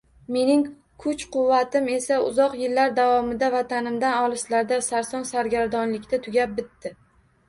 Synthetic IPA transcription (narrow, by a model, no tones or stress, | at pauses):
me̞nɪŋ | kʰʊt͡ʃqʰʊvːat̪ʰɪme̞saʊ̰zɒqjɪlːaɾd̪avɒmɪd̪avat̪ʰanɪmd̪anɒlˠɪslaɾd̪asaɾsɒnsaɾɡʲaɾd̪ɒnlɪkʲt̪at̪ʰʊɡʲap̚bɪt̪ːɪ